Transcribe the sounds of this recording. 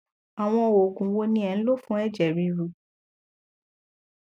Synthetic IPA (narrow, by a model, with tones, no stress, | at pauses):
a˨w̃ɔ̃˧o˨ɡũ˨wo˧nĩ˧˦ɛ˨ñ̩˦lo˦˨fũ˦ɛ˦˨d͡ʒɛ˨ɾi˧˦ɾu˧˨